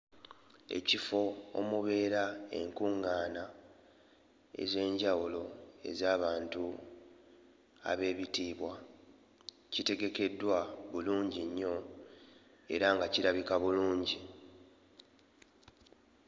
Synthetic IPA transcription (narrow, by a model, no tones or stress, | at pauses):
e̞̰cifo̞o̰muβe̞ːɾae̞̰ŋkuŋːaːna | ḛze̞ːɲɟawulo̞e̞̰zaːβaːntu | a̰βe̞ːβitiːβwa | cite̞ɡe̞ke̞dːwaβuluːɲɟiɲːo̞ | e̞̰ɾaŋɡaciɾaβikaβuluːɲɟi